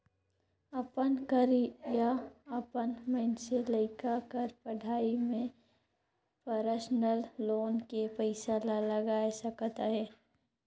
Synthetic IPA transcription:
ɐpənkəɾijaɐpənmɛnseləɪkakəɾpɐɽʱaːimẽ | pəɾəsnəlːoːnkepəɪsalalɐɡaːesəkt̪aɦɛː

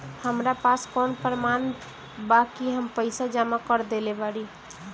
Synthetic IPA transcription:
həmɾapaskɔnpɾəman | bakiɦəmpəɪsad͡ʒamakəɾd̪elebaɽi

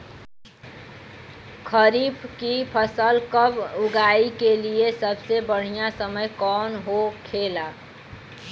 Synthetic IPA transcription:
kʰəɾiːbkipʰəsəlkəbʊɡaːikeliesəbsebəɽ̤ijasəməjkɔːnɦokʰeːla

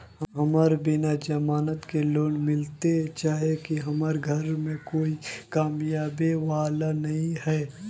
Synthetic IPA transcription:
ɦɦɐmaːɾbɪnad͡ʒɐmaːnət̪keloːnmɪlt̪et͡ʃaːɦiekiɦɐmaɾɡʱɐɾmẽkoːikaːmjaːbeʋaːlanɐɦĩɛː

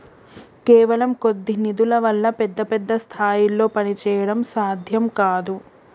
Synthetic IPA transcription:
keːʋɐlɐmko̞d̪ːinid̪ulɐʋɐlːɐpɛd̪ːɐpɛd̪ːɐst̪ʰaːjilo̞ːpɐnit͡ʃɛːjɐɽɐmsaːd̪ʱjɐmkaːd̪u

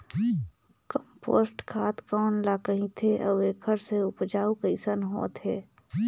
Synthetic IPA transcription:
kəmpo̰ːsʈkʰaːt̪kaːnlaːkəɦĩt̪ʰeʔɐeːkʰəɾseʊpd͡ʒaːukəɪsənɦo̰ːt̪ɦɛː

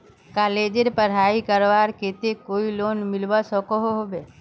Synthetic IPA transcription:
kaːleːd͡ʒeɾpəɾɦaːikəɾʋaːɾket̪ekoːiloːnmɪlbasɔkoɦoɦobeː

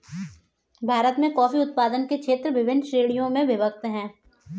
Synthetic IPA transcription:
bʱaːɾət̪mẽkɔːfiʊt̪̚paːd̪ənkekʃʰeːt̪ɾəʋɪʋɪnːʃɾeːɽijõmẽbɪbək̚t̪ɦɛ̃ː

